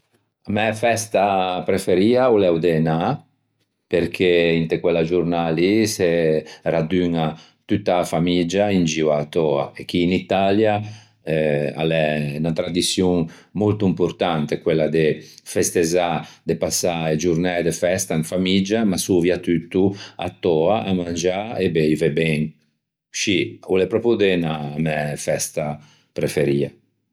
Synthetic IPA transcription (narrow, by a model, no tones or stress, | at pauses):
amɛfɛst̪apɾefeɾiːaulɛwd̪ena | peɾk̟ʰeint̪ekwelad͡ʒuɾnaliserad̪yŋa | t̪ut̪ːafamid͡ʒaind͡ʒiwat̪ɔa̰ek̟ːiːnit̪alja | ɛa̰lɛnat̪ɾad̪isjuŋmolt̪uimpuɾt̪ant̪ekwelːad̪efest̪ezad̪epasːaed͡ʒuɾnɛd̪efɛst̪aŋfamid͡ʒamasuvjat̪yt̪ːua̰t̪ːɔaʔa̰mand͡ʒaebeivɛbɛŋ | ʃiulepɾɔpjud̪enamɛfɛst̪a | pɾefeɾiːa